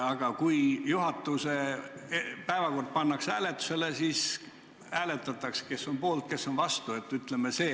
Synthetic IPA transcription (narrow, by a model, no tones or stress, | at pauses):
ɑɡ̥ɑkujjuɦɑt̪ːˑuse | pæevɑko̞rd̪̥̚pɑnːɑksæːle̞t̪ːˑu̥se̞lesis | æːle̞t̪ːˑɑt̪ːˑɑkske̞sːo̞npo̞ːlt̪̚ke̞sːo̞nvɑst̪ue̞t̪ːyt̪lemese̞ː